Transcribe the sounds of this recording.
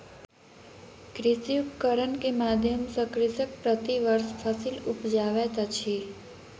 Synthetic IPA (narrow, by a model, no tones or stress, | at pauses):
kɾɪsiupkəɾənkemaːd̪ʱjəmsə̃kɾɪsək̚pɾət̪iʋəɾsfʰəsilʊpd͡ʒaːʋet̪at͡ʃʰi